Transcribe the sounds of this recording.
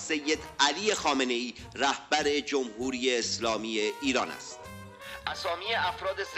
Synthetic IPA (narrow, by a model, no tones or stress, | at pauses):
sejːed̪ælije̞xɒːme̞ne̞iː | ɾæhb̥æɾe̞d͡ʒomhuːɾiːjeːslɒːmiːjeiːɾɒːnæ̰st̪ | ʔæsɒːmiːjeæfɾɒːd̪ez